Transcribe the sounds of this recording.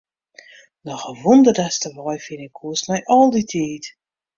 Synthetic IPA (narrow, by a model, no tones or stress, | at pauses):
dəxəʋundərdɛstəʋɔjfinɪkʰːuəstmɛjʔɔlˠditʰiːt